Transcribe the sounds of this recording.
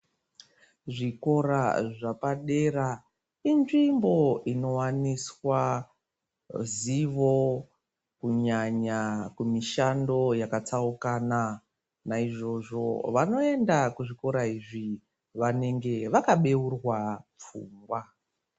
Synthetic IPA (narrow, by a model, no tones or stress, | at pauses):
ʐiko̞ɾaʐapaɗe̞ra | inʐimbo̞ino̞waniswa | ziʋo̞ | kuɲaɲakumiʃando̞jakat͡saukana | naiʐo̞ʐo̞̰ʋano̞e̞ndakuʐiko̞ɾaiʐi | ʋane̞ŋɡe̞ʋakaɓe̞urwap͡fuːŋɡwa